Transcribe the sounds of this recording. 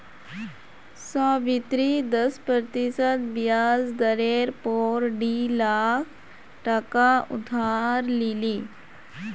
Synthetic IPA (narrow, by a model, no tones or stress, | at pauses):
sɔbit̪ɾid̪əspɾət̪isət̪bijad͡zd̪əɾeɾpoɾɖilakʰ | ʈəkaṵd̪ʱaɾlili